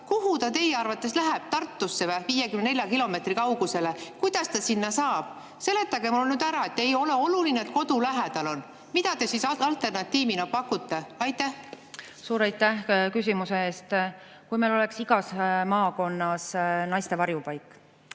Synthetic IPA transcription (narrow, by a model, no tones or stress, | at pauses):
kuɦut̪ɑt̪e̞jeɑrvɑt̪ːˑe̞slæɦɛb̥̚t̪ɑrt̪ːˑusːevæviːjekymnne̞lʲjɑkilo̞me̞t̪rikɑwɡ̥use̞le̞kujd̪̥ɑst̪ɑsinːɑsɑːb̥̚ | se̞le̞t̪ːˑɑɡ̥e̞munyːd̪̥æɾɑe̞t̪ːe̞jo̞leo̞lulineet̪̚ko̞d̪̥ulæɦæd̪ɑlo̞n | mid̪̥ɑt̪e̞sisɑlt̪e̞rnɑt̪ːiːminɑpɑkːut̪ːe̞ɑjt̪ːæh | suːɾɑjt̪ːˑæhkysʲimuse̞eːst̪ | kujmelo̞le̞ksiɡ̥ɑsmɑːko̞nːɑsnɑjst̪e̞vɑɾjupɑjkːˑ